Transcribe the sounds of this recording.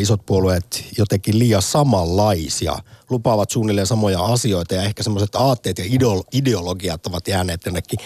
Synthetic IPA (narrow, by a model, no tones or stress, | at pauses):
isot̪̚puolueːt̪jot̪ekiliːjɑsɑmɑlːɑisiɑ̰lupɑʋɑt̪suːnilːensɑmojɑɑsio̞it̪ɑjɑe̞hkæsemːoset̪ɑːt̪ːeːt̪jɑidoideoloɡiɑt̪oʋɑt̪jæːneːt̪jonːekːi